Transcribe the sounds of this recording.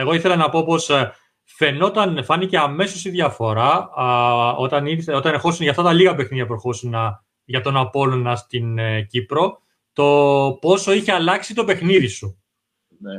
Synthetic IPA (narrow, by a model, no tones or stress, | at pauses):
e̞ɣo̞iθelɐnɐpo̞po̞s | fe̞no̞t̪ɐnfɐnice̞ɐme̞sosiðʝɐfo̞ɾɐ | ot̪ɐniso̞t̪ɐnexo̞sunʝɐft̪ɐt̪ɐliɣɐpe̞xniðiɐpɾoxosunɐ | ʝɐt̪o̞nɐpo̞lonɐst̪inɟipɾo̞ | t̪o̞po̞so̞içeɐlɐksit̪o̞pe̞xniðisu | ne